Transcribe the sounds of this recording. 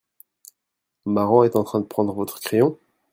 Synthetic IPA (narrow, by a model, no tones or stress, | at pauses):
maʁɔ̃ɛt̪ɑ̃t̪χɛ̃d̪əpχɑ̃d̪ʁəvɔt̪χə̥kχejɔ̃